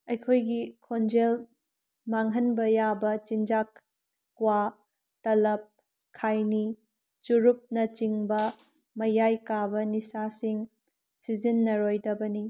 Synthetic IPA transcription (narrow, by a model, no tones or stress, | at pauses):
ɐjkʰojɡikʰond͡ʒel | maŋɦɐnbɐjabɐt͡ʃind͡ʒakː | wa | tɐlɐp̚ | kʰːajni | t͡ʃuɾup̚nɐt͡ʃiŋbɐ | mɐjajkabɐnisasiŋ | sizinːɐɾojdɐbɐni